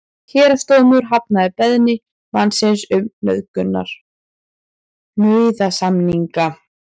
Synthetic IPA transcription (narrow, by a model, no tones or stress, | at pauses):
çɛːɾast̪oːmʏɾɦap̚naðɪpɛðnɪ | mansɪnsʏmnœ̰ðkʏnːa̰ɾ̥ | mœɥðasamniŋka